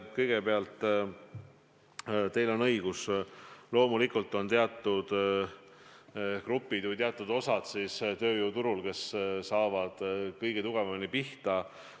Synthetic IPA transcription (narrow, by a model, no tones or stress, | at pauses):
kɤjɡ̥e̞peɑlt̪ˑ | t̪e̞jlo̞nɤjɡ̥uslo̞ːmulikult̪ːˑo̞nt̪eɑt̪ːˑud̪̥ | krupːˑid̪vɨjt̪eɑt̪ːˑud̪o̞sɑd̪̥sist̪ø̞ːjuːt̪uɾulke̞ssɑːvɑd̪̥kɤjɡ̥e̞t̪uɡ̥e̞vɑmnipiht̪ɑ